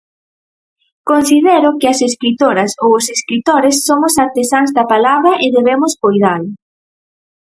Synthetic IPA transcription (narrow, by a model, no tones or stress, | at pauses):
konsiðɛɾʊkɪɐseskɾit̪oɾɐsowʊseskɾit̪oɾesːoŋʊsaɾt̪esanzðɐpalaβɾɐʔeðeβemʊskojðal